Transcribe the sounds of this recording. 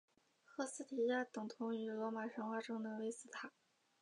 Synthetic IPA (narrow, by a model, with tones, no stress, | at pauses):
xɤ˥sɹ̩˥t̪ʰi˨˩ja˥˩t̪ɤ˨˩ŋt̪ʰʊ˧˥ŋy˧˩lwɔ˧˥ma˨˩ʂə˧˥ŋwa˥ʈ͡ʂɤ˥ŋd̪ə˧˨we˥ɪsɹ̩˥˩t̪ʰa˨˩˦